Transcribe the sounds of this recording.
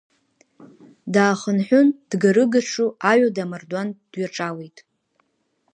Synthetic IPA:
daːχənħʷᶣʊnd̥ɡaɾɨɡaʈ͡ʂʰuaɥadamardwand̥ɥaʈ͡ʂʼawejtʼ

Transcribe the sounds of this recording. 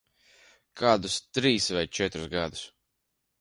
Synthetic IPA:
kʰaːd̪ust̪ɾiːsvajt͡ʃɛt̪ɾusɡad̪us

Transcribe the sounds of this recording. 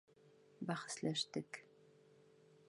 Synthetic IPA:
bæχɘ̥̆slæʃt̪ɘk

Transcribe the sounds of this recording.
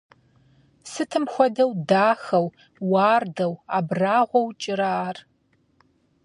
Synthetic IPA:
sɨtʰɨmxʷɔdɐwdaːxɐw | wɑːrdɐwaːbraːʁʷɔwt͡ʃʼɪɾaːr

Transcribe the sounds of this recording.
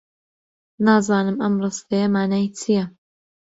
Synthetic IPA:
naːzɑːnɨmɐmrɨst̪ɐjɐmaːnaːjt͡sʰijɐ

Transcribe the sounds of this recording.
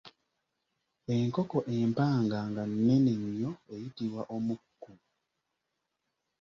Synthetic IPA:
eŋkokoʔe̞mpaːŋɡaŋɡanːe̞neɲjo̞ejitiβwaʔomukːu

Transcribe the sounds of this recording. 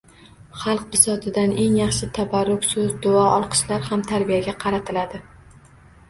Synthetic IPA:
χɑlˠq̚bɪsɒt̪ʰɪd̪ane̞ŋjɑχʃɪt̪ʰabaɾːʊkʲsʊzd̪ʊɒʔɒlˠqʰɨ̥ʃlaɾhamt̪ʰaɾbijaɡʲaqʰɑɾat̪ʰɪlad̪ɪ

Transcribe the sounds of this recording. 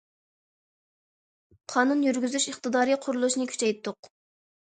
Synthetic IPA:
qʰɑnunjyɾɡʲyzyʃəχt̪ɨd̪ɑːɾiqʰʊɾulˠuʃnɨkʲʰy̥t͡ʃʰɛjt̪ʰːʊq

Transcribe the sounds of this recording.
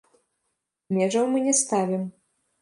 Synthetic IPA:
mʲɛʐɐwmɨnʲɛst̪avʲɛm

